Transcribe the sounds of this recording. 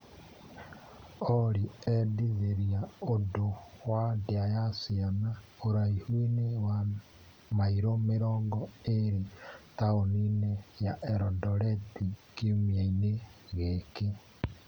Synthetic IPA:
ɔɾiɛdiðeɾiaodowadeajasiana | oɾaihwinewa | maiɾomeɾɔːŋɡɔeɾitaoninejaʔɛɾɔdɔɾɛtikiomiaineɣeke

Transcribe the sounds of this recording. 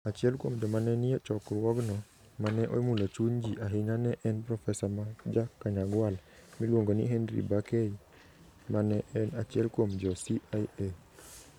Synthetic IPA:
at͡ʃɪɛlkwomd͡ʒɔmanɛnijet͡ʃɔkrwɔɡnɔ | manɛʔo̰mulat͡ʃuɲd͡ʒiʔaɦiŋanɛʔɛnpɾɔfɛsamad͡ʒakːaɲaɡwalmilwoŋɡonḭɦɛndɾḭbakei | manɛʔɛnat͡ʃɪɛlkwomd͡ʒɔsiaje

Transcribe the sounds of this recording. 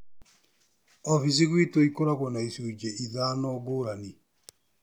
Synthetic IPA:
ɔfis̬iɣwitoikoɾaɣwɔnaisuːd͡ʒeʔiðanɔɡoɾani

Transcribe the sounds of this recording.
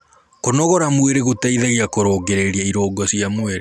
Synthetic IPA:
konɔɣɔɾamweɾeɣotaiðɛɣiakoɾoːɡeɾeɾiaiɾoːɡɔsijamweɾe

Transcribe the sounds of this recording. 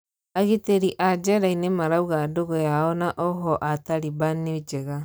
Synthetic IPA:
aɣeteɾiʔad͡ʒɛɾainemaɾauɣadoɣɔjaɔnaʔɔɦɔʔataɾibaned͡ʒeɣa

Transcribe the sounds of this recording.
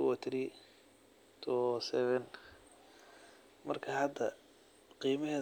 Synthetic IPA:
wɔt̪ʰɾi | t̪ʰɔsɛβɛn | mɐrkʰaːhɐd̪ɐ | qiːmɐɦɛː

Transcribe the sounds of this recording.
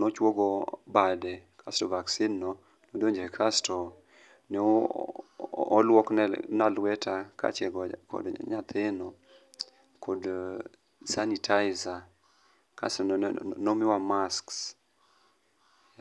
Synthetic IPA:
not͡ʃwoɡɔbadɛkʰastɔvaksɪnːɔ | nodoɲd͡ʒekʰastɔ | nɛ | lwɔknɛnalwɛtʰaka̰t͡ʃɛɡɔkɔ̰dɲat̪ʰɪnɔ | kʰɔd | sanitʰaɪza | ka̰stɔnomɪwamasks

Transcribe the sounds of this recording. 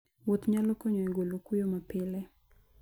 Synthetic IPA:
wot̪ɲalɔkɔɲɔɛɡolokujomapɪlɛ

